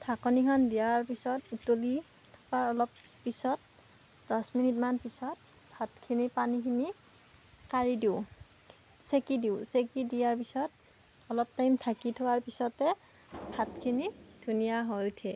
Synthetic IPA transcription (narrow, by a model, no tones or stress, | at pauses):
tʰakɔnikʰɔndijaɹpisɔtutoli | tʰɔ̥kaɹɔlɔpː | isɔt̚ | d̥ɔsminitmanpisɔt̚ | bʱatkʰinipanikʰini | kaɹidiʊ | sekidiʊsekidijaɹpisɔt | ɔlɔp̚tajmtʰakitʰʊwaɹpisɔtɛ | bʱatkʰinid̥ʱunijaɦɔjtʰɛ